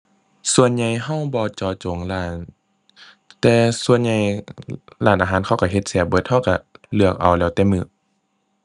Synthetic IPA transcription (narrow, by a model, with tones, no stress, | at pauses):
su˧ənɲa˧jɦa˧˥˩wbɔː˧˦t͡ɕɔː˧t͡ɕo˨˦ŋlaː˧˩n | t̪ɛː˧su˧ənɲa˧j | laː˧˩nʔaː˧ɦaː˧˥˦nkʰa˧˩wka˧˩ɦe˧˦t̪̚sɛː˧˩p̚bɤ˧˦t̪̚ha˧˥˨wka˧˩lɯ˧˩ək̚ʔa˨˩wlɛː˧˥wt̪ɛː˧˦mɯː˧˦